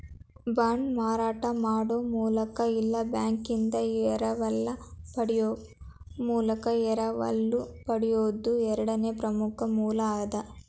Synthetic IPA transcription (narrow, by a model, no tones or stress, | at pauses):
baːɳɖmaːɾaːʈɐmaːɽoːmuːlɐkɐilːɐbjaːŋkind̪ɐɛɾɐʋɐlːɐpɐɽijo | muːlɐkɐɛɾɐʋɐ̰lːupɐɽijoːd̪ːuɛɾɐɽɐneːpɾɐmukɐmuːlɐːjɐd̪ɐ